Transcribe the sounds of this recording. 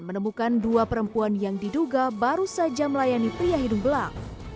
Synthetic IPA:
mənəmukanduapəɾəmpuanjaŋdiduɡabaɾusad͡ʒaməlajanipɾiaɦidumbəlak̚

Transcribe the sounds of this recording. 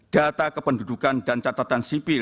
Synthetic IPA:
d̥at̪akəpəndudukandant͡ʃat̪at̪ansipɪ

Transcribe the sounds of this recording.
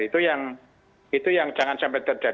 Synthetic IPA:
it̪ujaŋ | it̪ujaŋt͡ʃaŋansampɛt̪̚t͡ʃəd͡ʒa

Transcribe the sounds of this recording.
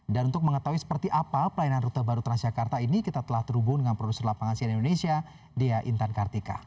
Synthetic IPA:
danunt̪ʊk̚məŋət̪auisə̥pərt̪iʔapapəlajnanrut̪abaɾut̪əɾad͡ʒakart̪ainikit̪at̪əlaht̪əɾubʊdəŋanpɾodusərlapaŋansianindonesia | diaʔint̪ankart̪ika̰

